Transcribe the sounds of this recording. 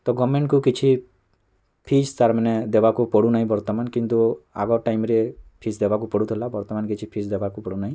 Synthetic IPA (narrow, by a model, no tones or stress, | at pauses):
t̪ɔɡɔmeɳʈkukit͡ʃʰi | pʰit͡ʃt̪aɾmined̪ebakupɔɽunaɦĩbɔɾt̪ɔmankint̪ua̰ɡɔʈaimɾepʰit͡ʃd̪ebak̬upɔɽut̪ʰelabɔɾt̪ɔmankit͡ʃʰipʰit͡ʃd̪ebakupɔɽunaɦĩ